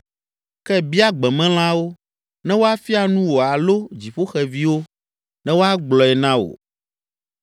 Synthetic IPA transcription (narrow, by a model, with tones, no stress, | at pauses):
kɛ˦bi˦a˦ɡ͡bɛ˨mɛ̃˦l̃ã˦wo˦ | nɛ̃˦wo˦a˦fi˦a˨nũ˦wo˨a˨lo˦d͡ʑi˨ɸo˦xɛ˦˨vi˦wo˦ | nɛ̃˦wo˦a˦ɡ͡blɔ˨ɛ˨nã˦wo̰˨